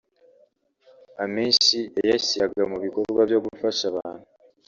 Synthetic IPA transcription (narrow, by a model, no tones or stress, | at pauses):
amiːnʃiejasaɡamuβiko̞ɾɾɡwavjo̞ɡufaʃaβaːn̥u